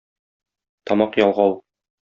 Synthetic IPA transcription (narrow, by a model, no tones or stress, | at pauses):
t̪ɒmɑqjɒlˠʁɑw